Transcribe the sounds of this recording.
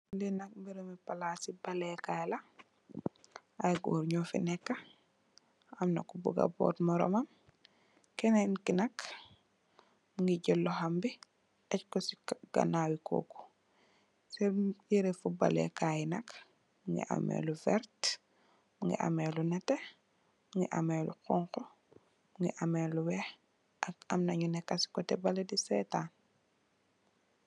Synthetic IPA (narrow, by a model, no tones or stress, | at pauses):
dinak̚mbiɾɛmipalasibalɛkajla | ajɡɔ̰ɾɲɔfḭnɛkːa | amnakːubṵɡa̰bɔ̰ːtmɔɾɔ̰mam | kɛnankinak | muŋɡiɟɔlːɔhambi | ɛckɔsi̥kɡ̥a̰nawikʰo̰kɔ̥ | sejiɾefuba̰lɛ̰kajinɐk | muŋɡḭʔa̰mḛːluvɛɾt | muŋɡḭʔa̰meːlunɛte | muŋɡḭʔa̰melṵqɔŋkɔ | muŋɡḭʔameluwɛh | akamnaɲunɛkːasi̥kɔtɛbaledisɛtaːn